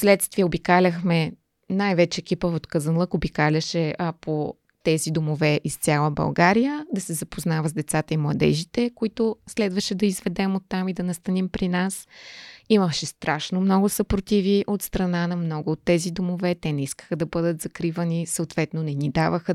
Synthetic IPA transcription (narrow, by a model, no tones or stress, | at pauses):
fslɛt̪st̪viəobikalʲəxmɛ | najvɛt͡ʃɛːkʲipəvot̪kəzənlˠəkobikalʲəʃɛɐpʰo | t̪ɛzid̪omovɛʔist̪sʲjalˠəbɐ̰lˠɡaɾijəd̪ɐsɛzɐpoznavəzd̪ɛt̪sat̪əimlˠɐd̪ɛ̰ʒit̪ɛkoit̪ʊslɛd̪vəʃɛd̪ɐizvɛd̪ɛmot̪ːamid̪ɐnɐst̪ɐnimpɾinas | iməʃɛst̪ɾaʃnomnɔɡʊsɐpɾot̪ʲiviʔot̪st̪ɾɐnanɐmnɔɡʊːt̪ːɛzid̪omovɛt̪ɛnɛiskə̥xəd̪ɐbɤd̪ət̪z̥ɐkɾivənisəot̪vɛt̪nonɛnid̪avəxə